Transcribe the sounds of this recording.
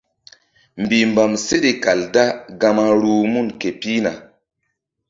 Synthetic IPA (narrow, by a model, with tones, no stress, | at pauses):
mbi˨mba˨mse˦ɗe˨ka˨lda˦ɡa˧ma˧ɾuː˦mu˦nke˨pi˦na̰˨